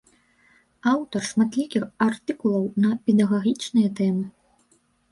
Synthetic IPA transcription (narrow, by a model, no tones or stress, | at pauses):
awt̪ɐrʂmat̪lʲikʲixart̪ɨkulˠɐwnɐpʲɛd̪ɐɣaɣʲit͡ʂnɨjɐt̪ɛmɨ